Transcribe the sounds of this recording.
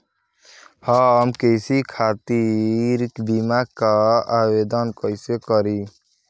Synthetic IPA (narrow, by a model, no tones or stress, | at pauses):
həmkesikʰat̪iɾkbimaɡkaabed̪ənkəɪsekəɾi